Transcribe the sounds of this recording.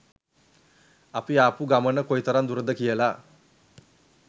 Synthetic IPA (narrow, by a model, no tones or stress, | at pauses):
apiapuɡamənəkojit̪əɾand̪uɾəd̪əkijəla